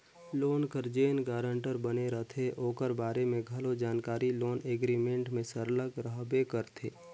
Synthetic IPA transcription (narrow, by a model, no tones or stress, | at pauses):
loːnkəɾd͡ʒeːnɡaːɾə̃ɳʈəɾbəneɾət̪ʰeʔoːkəɾbaːɾemẽɡʱɐlod͡ʒaːnkaːɾiloːneːɡɾimẽɳʈmẽsəɾləɡɾəɦbekəɾt̪ʰeː